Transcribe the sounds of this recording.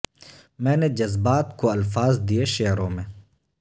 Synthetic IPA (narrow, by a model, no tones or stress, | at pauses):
mɛ̃ːned͡ʒɐzbaːt̪koɐlfaːzd̪ieʃeːɾõmẽ